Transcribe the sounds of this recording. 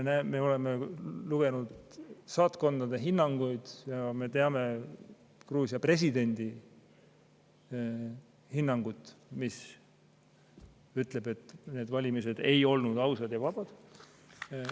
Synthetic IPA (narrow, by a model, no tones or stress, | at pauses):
næme̞o̞le̞me̞luɡ̥e̞nud̪̥sɑːt̪ko̞nd̪̥ɑd̪e̞ɦinːɑŋɡ̥ujd̪̥jɑme̞t̪e̞ɑme̞ | kruːsʲiɑpre̞s̬ʲid̪̥e̞nʲd̪i | hinːɑŋɡ̥ut̪ːˑmis | yt̪ˑle̞b̥e̞t̪ːˑne̞ːd̪vɑlʲimise̞d̪̥e̞jo̞lnud̪ɑwsɑd̪jɑvɑb̥ɑd̪̥